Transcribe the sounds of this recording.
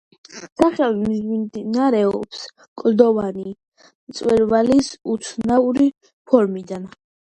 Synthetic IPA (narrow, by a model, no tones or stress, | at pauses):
saχɛlimzid̪inaɾɛɔps | kʼld̪ɔvani | t̪sʼwɛɾvalisut̪sʰnauɾi | pʰɔɾmid̪an